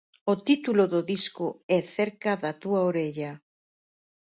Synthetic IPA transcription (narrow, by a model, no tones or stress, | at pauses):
ot̪it̪uloðoðiskʊɛθɛɾkɐðɐt̪uaoɾeʎɐ